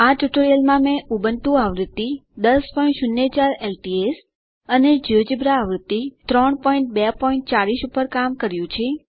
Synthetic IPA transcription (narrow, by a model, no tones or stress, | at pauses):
aʈuʈoɾijəlmãmẽʔubənʈũaʋɾət̪ːid̪əspɔiɳʈʃʊnːet͡ʃaɾelʈies | əned͡ʒiʋd͡ʒibɾaːʋɾɪt̪ːit̪ɾɔɳpɔiɳʈ̚bɛpɔiɳʈ̚t͡ʃaɾiʃupəɾkamkəɾjũt͡ʃʰe